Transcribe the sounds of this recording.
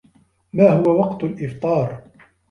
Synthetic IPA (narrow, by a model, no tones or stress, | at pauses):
maːhʊwawɑqt̪ʊlʔɪft̪ˤɑːɾˤ